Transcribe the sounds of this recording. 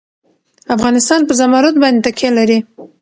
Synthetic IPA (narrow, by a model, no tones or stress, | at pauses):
afɣɑnɪst̪ɑnpəzamɑɾat̪̚bɑnd̪et̪akʰelaɾi